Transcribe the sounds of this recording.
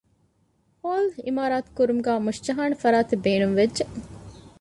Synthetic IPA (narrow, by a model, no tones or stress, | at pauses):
hoːlḭmaːɾaːt̪u̥kuɾumuɡæːmuʃt͡ʃɐɦaːnɐfɐɾaːt̪ebeːnumʋedʒeʔ